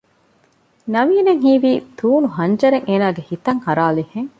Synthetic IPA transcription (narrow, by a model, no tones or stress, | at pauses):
nɐʋiːneŋɦiːʋiːt̪uːnuɦɐɲd͡ʒɐɾeŋʔeːnaːɡehit̪ɐŋhɐɾaːliheŋ